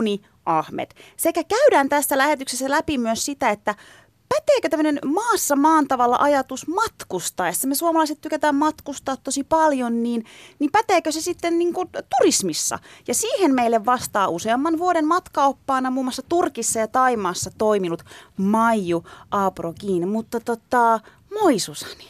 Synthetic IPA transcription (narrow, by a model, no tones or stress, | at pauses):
ni | ʔɑhmḛt̪sekækæyɾæːnt̪æsːælæhet̪yksesːælæpimyøssit̪æet̪ːæ | pæt̪eːkøt̪æmːønenmɑːsːɑmɑːnt̪ɑʋɑlːɑ̰ʔɑjɑt̪usmɑt̪kust̪ɑːesːæmesuomɑlɑiset̪t̪ykæt̪æːmmɑt̪kust̪ɑːt̪t̪ːosipɑljonniːnnipæt̪eːkøsesit̪ːenniːŋkut̪urismisːɑ̰jɑsiːhenmeilːeʋʋɑst̪ɑːʔuseɑmːɑnʋuoɾemmɑt̪kɑopːɑːnɑmuːmːˑɑsːɑt̪urkisːɑjɑt̪ɑimɑːsːɑt̪oiminut̪mɑijjuʔɑːpurokiːnmut̪ːɑt̪ot̪ɑ | moisusɑ̥ni̥